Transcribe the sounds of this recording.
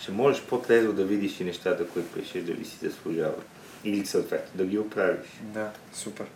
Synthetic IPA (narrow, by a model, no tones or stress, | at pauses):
t͡ʃɛmɔʒɛʃpot̪ɛzlˠʊd̪ɐvid̪iʃinɛʃt̪at̪əkoit̪ʊbɛ̰ʃɛd̪ɐ̰ḭsi̥zɛslˠuʒavɐ̰t̪ | ilisəlt̪vɛt̪snod̪ɐɡ̟ʲiʊpɾavḭʃd̪a | supɛɾ